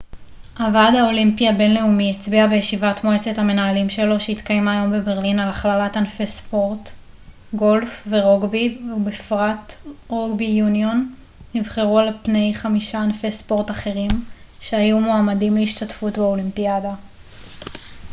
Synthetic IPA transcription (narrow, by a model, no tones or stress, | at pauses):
ʔavadhaolimpiabe̞nle̞umiet͡sbiabejeʃivatmoe̞t͡se̞thame̞naalimʃe̞lo̞ʃeitkajemaːjo̞mbe̞beʁlinalaχlalatanfespo̞ʁt | ɡo̞lfveʁoɡbiubifʁatʁoɡbijunionː | ivχe̞ʁualpne̞jχamiʃaːnfespo̞ʁtaχe̞ʁim | ʃe̞ajumoamadimleiʃtatfutbeo̞limpiada